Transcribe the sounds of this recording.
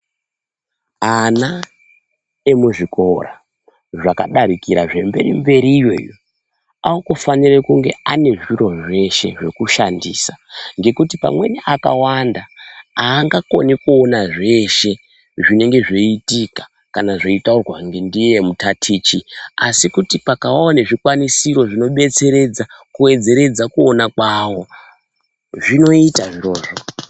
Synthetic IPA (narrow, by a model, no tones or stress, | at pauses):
ana | emuʐikora | ʐakaɗaɾikiɾaʐe̞mbe̞̰rimbe̞ɾijo̞̰jo | aukufanirekuŋɡe̞ane̞ʐiɾo̞ʐe̞ʃe̞̰ʐe̞kuʃandḭːsaŋɡe̞kutipa̰mwe̞niʔaka̰wandaaːŋɡako̞̰nikuonaʐe̞ʃe̞ | ʐine̞ŋɡe̞ʐeitikḁ | kanaʐoitaurwaŋɡe̞ndije̞mutatʰiːt͡ʃiasikutipakawawaneʐikwanisiɾo̞ʐino̞ɓe̞t͡se̞ɾe̞d͡zakuwe̞d͡ze̞ɾe̞d͡zakuonakwawo̞ | ʐino̞itaʐiro̞ːʐo